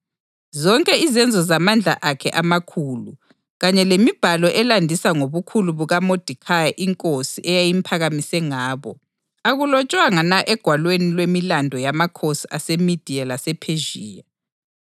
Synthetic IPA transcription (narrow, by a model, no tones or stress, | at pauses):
zɔŋkʼɛizɛnd͡zʱɔzamand͡ɮʱa̰ʔakʰɛʔamakʰuːlu | ɣaɲɛlemib̥ʱalɔʔɛlandʱisaŋoβukʰuluβuɣamod̥ʱikʰajaʔiŋkʼosiʔɛjajimpʰaɣamisɛŋaːβɔ | aɣulɔt͡ʃʼwaŋanaʔɛɡ̥ʱwalwenilwemilandʱɔjamakʰosa̰semid̥ʱialasɛpʰeʒiːja